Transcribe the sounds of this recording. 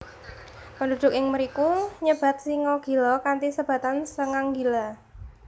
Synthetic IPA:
pəndud̪̥ʊk̚ɪŋməɾikuɲəb̥a̤t̪̚siŋɔɡ̥i̤lɔkant̪isəb̥ä̤t̪ansəŋaŋɡila

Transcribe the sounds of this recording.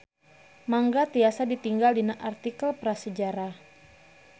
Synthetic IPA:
maŋɡat̪iasadit̪iŋɡaldinaʔart̪ikəlpɾasəd͡ʒaɾa

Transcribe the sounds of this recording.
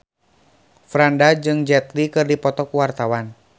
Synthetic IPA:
fɾandad͡ʒɨŋd͡ʒɛt̪likɨrdipɔt̪ɔkuwart̪awan

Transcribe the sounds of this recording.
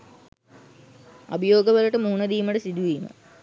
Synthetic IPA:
ɐ̰bɐjoːɡəʋəlɐʈəmuunɐd̪iːməʈəsid̪uʋiːmə̰

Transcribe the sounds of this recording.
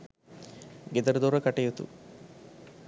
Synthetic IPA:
ɡed̪ɐɾd̪oːɾɐkɐʈejut̪ṵ

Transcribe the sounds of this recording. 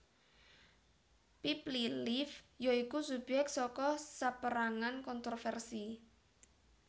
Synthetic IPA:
piplilifjoikusubɛk̚t̪sɔkɔsapəɾaŋankɔnt̪ɾɔfɛrsi

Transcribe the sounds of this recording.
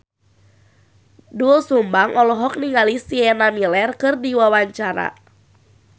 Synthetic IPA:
dulsumbaŋʔɔlɔɦɔk̚niŋalisiɛnamilɛrkɨrdiwawaɲt͡ʃaɾa̰

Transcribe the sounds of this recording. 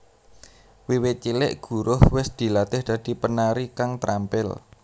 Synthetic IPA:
wiwɪt̪̚t͡ʃilɪʔɡ̥ṳɾʊhwɪsd̪̥i̤lat̪ɪhd̪̥ä̤d̪̥i̤pənaɾikaŋt̪ɾampɪl

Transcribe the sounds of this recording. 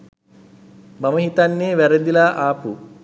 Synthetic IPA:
maməɦit̪anːeːʋæɾəd̪ilaːʔaːpu

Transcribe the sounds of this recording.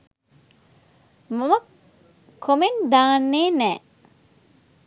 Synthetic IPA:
mɐmɐk | kʰːomend̪aːnːeːnɛː

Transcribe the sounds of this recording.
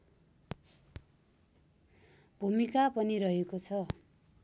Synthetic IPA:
bʱumikapʌniɾʌɦekot͡sʰʌ

